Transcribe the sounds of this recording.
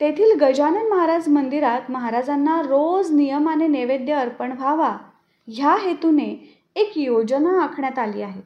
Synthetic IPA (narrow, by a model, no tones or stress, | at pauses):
t̪et̪ʰiːlɡəd͡ʑanəməɦaɾad͡zmənd̪iɾat̪məɦaɾad͡zanːaɾod͡znijəmaneneʋed̪jəəɾpəɳbʱaʋa | ɦjaɦet̪une | ekjod͡zənaːkʰɳjat̪alḭːaɦet̪